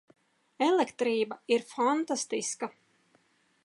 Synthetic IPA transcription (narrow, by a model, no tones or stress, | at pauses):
ɛlˠɛkt̪ɾiːbaiɾfant̪ast̪iska